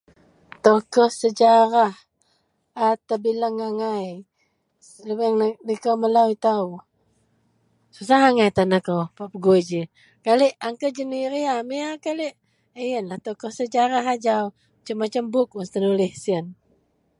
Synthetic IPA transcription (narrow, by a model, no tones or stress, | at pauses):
t̪okɔhsəd͡ʒaɾah | at̪əbilaŋaŋaj | ləbəŋnikəwməlawit̪awu | sus̬aɦaŋajt̪anakəwpapəɡuid͡ʒi | kaliʔaŋkəd͡ʒəniɾiamiakaliʔ | əjənlaht̪okɔhsəd͡ʒaɾaɦad͡ʒaw | t͡ʃəmːat͡ʃəmbʊk̚ust̪ənulɪhsiən